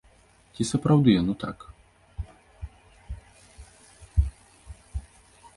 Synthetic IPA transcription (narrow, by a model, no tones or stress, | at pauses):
t͡sʲisɐpɾawd̪ɨjanut̪a̰k